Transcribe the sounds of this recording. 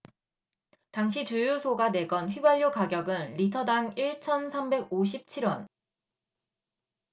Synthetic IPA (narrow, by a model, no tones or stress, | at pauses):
taŋɕʰit͡ɕujusʰoɡane̞ɡʌnɸɥibaʎjokaɡjʌɡɯnɾitʰʌdaŋiɭt͡ɕʰʌnsʰambe̞ɡ̚oɕ̬ʰip̚t͡ɕʰiɾwʌn